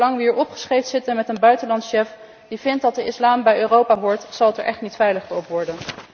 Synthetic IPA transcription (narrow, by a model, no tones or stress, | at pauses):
lɑŋʋəɦiːɹɔpχə̥sχejtsɪtənmɛtənbœɥtəlɑntsʃɛf | d̥ivɪnt̚dɑtdəɪslaːmbɛjøːrowpaːɦʊːɹtsɑlˠətɛɹʔɛχtnitfɛjləχtəɔpʋɔɹdən